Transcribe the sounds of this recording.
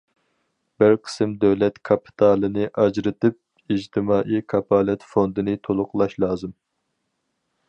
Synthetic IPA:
b̥ɪɾqʰə̥sɨmd̪øwlɛt̪kʰɑpʰi̥t̪ʰɑːlˠɨnɨʔɑd͡ʒɾɨt̪ɨp̚ | id͡ʒt̪ʰɨmɑːʔikʰɑpʰɑːlˠɛt̪fond̪ɨnɨt̪ʰolˠʊqlˠɑʃlˠɑːzɨm

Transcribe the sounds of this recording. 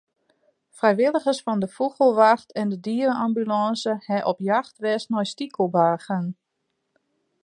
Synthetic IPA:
frɛjʋɪlˠəɣəsfɔndəfuxəlˠʋaxtʰɛndədiəɾəambylɑnsəhɛʔɔpjaxtʋɛsnɔjstikʰəlˠbaːɣən

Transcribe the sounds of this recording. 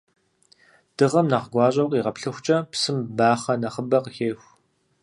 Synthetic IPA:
d̥ɨʁɐmnɐʁɡʷɑːɕʼɐqʷʼiːʁɐpɬɨxʷt͡ʃʼɐpsɨmbaːχɐnɐχəbɐqəxeːxʷ

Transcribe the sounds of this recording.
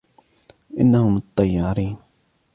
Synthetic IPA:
ʔɪ̰nːahʊmt̪ˤːɑjːɑːɾiːn

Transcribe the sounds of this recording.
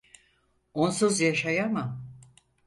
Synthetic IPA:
onsuzjaʃajama

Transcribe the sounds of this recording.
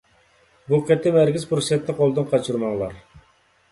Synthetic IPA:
buqʲɛt̪ʰːɛmæɾkʲizpɾosɛt̪ʰːɛqʰolˠd̪ɨnqʰɑt͡ʃʰuɾmɑŋlˠɑɾ

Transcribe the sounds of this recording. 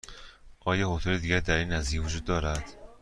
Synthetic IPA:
ʔɒːjɒːhot̪ʰuled̪iːɟʲæɾd̪æɾiːnːæzievod͡ʒuːd̪ːɒːɾæd̪̥

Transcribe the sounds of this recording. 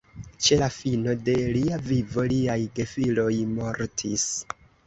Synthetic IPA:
t͡ʃe̞lafino̞de̞liavivo̞liajɡe̞filo̞jmo̞ɾtʰis

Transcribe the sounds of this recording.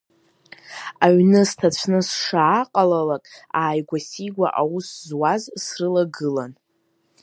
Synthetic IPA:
aɥnɨstʰat͡ɕʷʰnɨsʂaːqʼalalakʼaːjɡʷasiɡʷa̰ʔawuszwazsrɨlaɡɨlan

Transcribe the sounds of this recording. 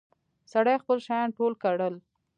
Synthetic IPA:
saɽajxpəlʃajɑnʈolkaɽəl

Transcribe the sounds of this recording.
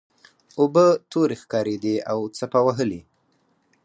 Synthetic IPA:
obət̪oɾexkɑɾed̪eawt͡sapawaɦəli

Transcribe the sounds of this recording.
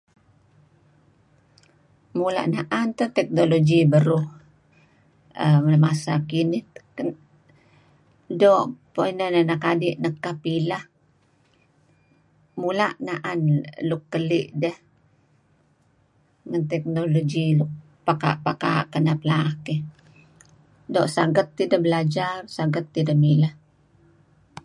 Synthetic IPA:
mula̰ʔnaʔant̪ot̪ɛk̚noloɡibəɾuh | əmmasakini | doʔpoinənanakadiʔnəkːahpilah | mulaʔnaʔanlukːəlɪʔdəh | ŋant̪ɛk̚noloɡilʊk̚ | paka̰ʔpaka̰ʔkənapəlake | doʔsaɡət̪ːidəhbəlad͡ʒarsaɡət̪ːidəhmilah

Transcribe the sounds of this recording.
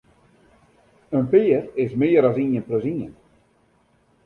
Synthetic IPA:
ənpɪːərɪsmɪːəɾɔsinjənpløsiən

